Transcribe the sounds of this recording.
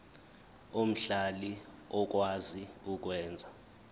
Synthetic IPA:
om̩ɬali | ɔk̬ʼwaziuk̬ʼwɛːnd͡zʱa

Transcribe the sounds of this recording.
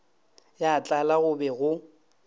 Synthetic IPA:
jat͡ɬʼalaɣʊbɛɣʊ

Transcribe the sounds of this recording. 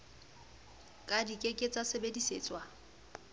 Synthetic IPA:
kʼadikʼekʼet͡sʼasebediseːt͡sʼwa

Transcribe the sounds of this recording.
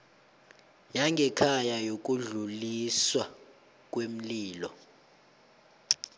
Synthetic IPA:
jaŋɡʱɛkʰajajok̬ʼuɮuliswa | k̬ʼwem̩liːlɔ

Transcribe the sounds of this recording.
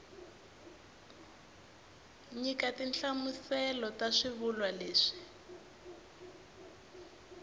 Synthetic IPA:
ɲikatinɬamusɛlɔtaʂiβulwaleːʂi̥

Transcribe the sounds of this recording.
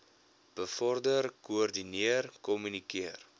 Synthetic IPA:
b̥əfɔrdərkuɔrdiniərkɔmynikiər

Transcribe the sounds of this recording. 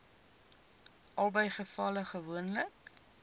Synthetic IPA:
ʔɐlˠbəjχəfɐləχəvuənlək

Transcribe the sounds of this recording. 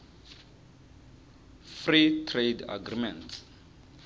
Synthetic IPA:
fritʰreda̰ɡrimɛ̃nts

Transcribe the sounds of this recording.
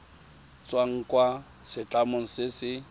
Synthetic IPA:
t͡sʼwaŋ̩kʼwa | sɪt͡ɬʼamʊŋ̩sɪsɪ

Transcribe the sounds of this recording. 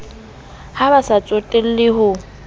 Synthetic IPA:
habasat͡sʼotʼel̩lɪɦʊ

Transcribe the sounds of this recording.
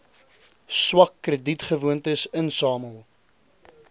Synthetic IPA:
swɐkːrəditχəvuəntəsənsɑːməlˠ

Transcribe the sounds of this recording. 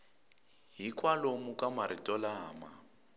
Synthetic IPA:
ɦikʼwalomukʼamaɾitʼɔlaːma̰

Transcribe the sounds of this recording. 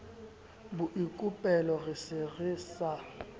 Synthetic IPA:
bʊʔikʼupʼɛlɔɣɪsɪɣɪːsa

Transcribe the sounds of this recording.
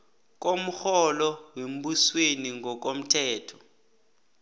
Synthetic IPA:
k̬om̩xɔlɔwem̩ɓusweniŋɔk̬om̩tʰɛːtʰɔ̥

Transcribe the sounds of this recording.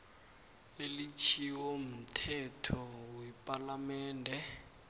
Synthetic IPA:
elit͡ʃʰiwom̩tʰɛtʰɔwɛpʼalamɛːndʱɛ

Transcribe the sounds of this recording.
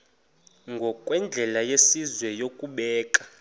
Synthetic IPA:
ŋɡʱɔkʼwɛnd͡ɮʱɛlajesizwɛjokʼuɓɛːkʼa

